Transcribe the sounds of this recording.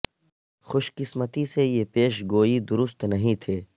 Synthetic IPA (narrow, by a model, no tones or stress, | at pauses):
xʊʃkɪsmət̪isejepeːʃɡoːid̪ʊɾʊst̪nɐɦĩt̪ʰeː